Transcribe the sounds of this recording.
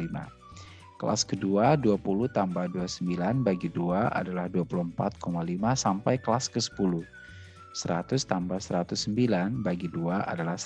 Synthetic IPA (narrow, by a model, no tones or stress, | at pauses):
ima̰ | kəla̰skəduaduapuluht̪ambahduasəmbilanbaɡiduaʔa̰dalahduapuluhmpat̪̚kʰomalimasampajkəlaskəsə̥puluh | səɾat̪ʊst̪ambasəɾat̪ʊsːəmbilanbaɡiduaʔa̰dalahs